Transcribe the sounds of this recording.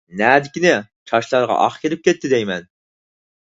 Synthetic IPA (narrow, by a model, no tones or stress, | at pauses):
næːd̪ɪkʲinɪt͡ʃʰɑʃlˠɑɾʁɑ̰ʔɑ̰χkʲʰeɾɪp̚kʲet̪ʰːɪd̪ɛjmɛn